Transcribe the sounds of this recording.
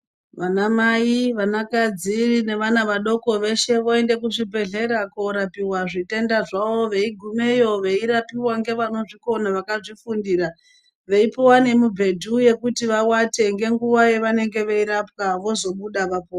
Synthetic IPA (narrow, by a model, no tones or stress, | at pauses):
ʋanamajiʋanakad͡zirine̞ʋanaʋaɗo̞ko̞ʋe̞ʃe̞ʋo̞e̞nde̞k̬uʐibʱe̞ɮe̞ɾakoɾapiwaʐite̞ndaʐaʋo̞ʋe̞iɡʱume̞jo̞ʋe̞iɾapiwaŋɡe̞ʋano̞ʐiko̞naʋakaʐifundiːɾa | ʋe̞ipowane̞mubʱe̞dʱuje̞kutiʋawate̞ŋɡe̞ŋɡuʋaje̞ʋane̞ŋɡe̞ʋe̞iɾap̚kaʋo̞zo̞ɓuɗaʋapoː